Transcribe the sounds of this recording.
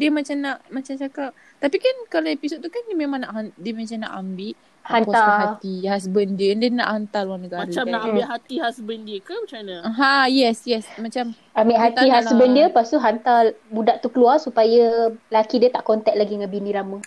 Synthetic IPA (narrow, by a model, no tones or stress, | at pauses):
diəmat͡ʃamnaʔmat͡ʃamt͡ʃakap̚ | t̪apikankaɾnaipisoʔt̪ːukanimemãŋnaʔɦadiəmat͡ʃamna̰ʔambɪʔ | hank̪aɦat̪ihas̬bəndiəndəna̰ʔhant̪aluwanəɡamaɾət͡ʃamnaʔambiʔɦat̪ihasbəndiəkamat͡ʃanaɦajɛsjɛsmat͡ʃam | amiʔɦat̪iɦasbəndiəpast̪uɦant̪abudaʔt̪ukəluarsupajalakidiət̪aʔkɔnt̪ɛk̚laɡidəŋãnbinĩɾamə